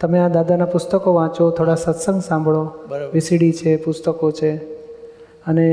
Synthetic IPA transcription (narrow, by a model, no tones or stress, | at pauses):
t̪əmead̪ad̪anapʊst̪əkoʋãt͡ʃot̪ʰoɽasət̪sə̃ŋɡsãmbʱɭoʋɪsiɽit͡ʃʰepʊst̪əkot͡ʃʰe | əne